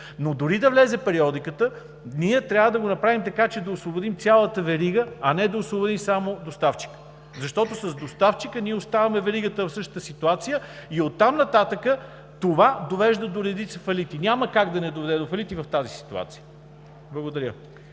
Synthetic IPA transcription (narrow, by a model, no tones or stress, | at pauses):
nod̪ʊɾid̪ɐvlɛzɛpɛɾiɔd̪ikət̪ə | niɛt̪ɾʲjavəd̪ɐɡonɐpɾavimt̪ɐkat͡ʃɛd̪ɐosvobod̪imt̪sʲalˠət̪əvɛɾiɡəɐnɛd̪ɐosvˠobod̪imsamod̪ost̪aft͡ʃi̥kə̥ | zɐʃt̪ɔt̪osɐzd̪ost̪aft͡ʃikəniɛost̪avɐmɛvɛɾiɡət̪əvfsɤʃt̪ə̥̆t̪əsit̪uat̪sijəiot̪ːamnɐt̪at̪əkə | t̪ovad̪ovɛʒd̪əd̪oɾɛd̪it̪səfɐlit̪inʲaməkaɡd̪ɐnɛd̪ovɛd̪ɛd̪ofɐlit̪ivɐft̪azisi̥t̪ua̰t̪sijə | blˠɐɡod̪ɐɾʲə̰